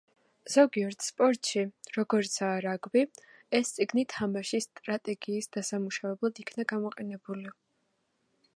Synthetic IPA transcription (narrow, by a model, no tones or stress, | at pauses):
z̥ɔɡiɔɾt̪ʰspʼɔɾt̪ʼʃiɾɔɡɔɾt̪sʰaːɾaɡbi | ɛst̪sʼiɡnit̪ʰamaʃist̪ʼɾat̪ʼɛɡiːsd̪̥asamuʃavɛblˠad̪ikʰnaɡamɔqʼɛnɛbuli